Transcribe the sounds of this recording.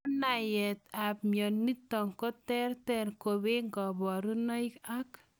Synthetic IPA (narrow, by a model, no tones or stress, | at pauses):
najɛt̪apmjɔnnːit̪ːɔŋkot̪ɛrtɛrkoβeŋɡɔbɔɾunɔikak